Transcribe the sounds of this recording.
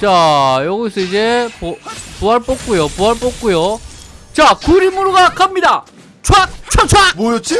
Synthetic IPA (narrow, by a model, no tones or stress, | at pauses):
t͡ɕajʌɡisʰʌid͡ʑepopuɦaɭp͈ok̚k͈ujopuɦaɭp͈ok̚k͈ujot͡ɕakuɾimuɾuɡakʰamɲida | t͡ɕʰwak̚t͡ɕʰat͡ɕʰaboɾot͡ɕ͈i